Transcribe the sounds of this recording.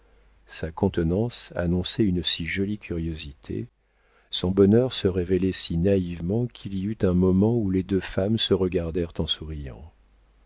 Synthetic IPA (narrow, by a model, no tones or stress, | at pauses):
sakɔ̃t̪nɑ̃sa̰nɔ̃sɛynsiʒɔlikʲʰyʁjozit̪ʰḛ | sɔ̃bɔnœʁsəʁevelɛsinaivmɑ̃kʰiliyt̪ɛ̃mɔmɑ̃uled̪øfamsəʁəɡaʁd̪ɛʁt̪ɑ̃suʁijɑ̰̃